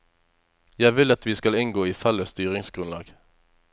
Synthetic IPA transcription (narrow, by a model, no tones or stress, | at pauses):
jæɪʋɪlɑt̪ʋiːskɑlɪŋɡoːiːfɛləst̪yːʁɪŋsɡ̥ʁʉnlɑ̰ːɡ̥